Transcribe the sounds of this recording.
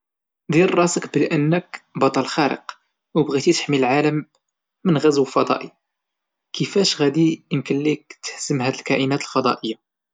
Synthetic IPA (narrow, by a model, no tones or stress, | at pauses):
d̪iɾrˤɑsəkbəlʔənːəkbɑt̪ˤɑlxæɾə̰q | wbɣit̪it̪ə̥ħmiləlʕaləmː | ənɣæzwəlfɑd̪ˤɑ̰ʔi | kʰəfæʃɣæd̪iənkənlik̚t̪ə̥hz̥əmhæd̪əlkæʔinæt̪əlfɑd̪ˤɑ̰ʔəjːa